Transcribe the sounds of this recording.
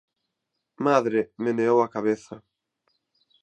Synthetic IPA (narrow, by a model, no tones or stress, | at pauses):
maðɾɪmɪneowakaβeθa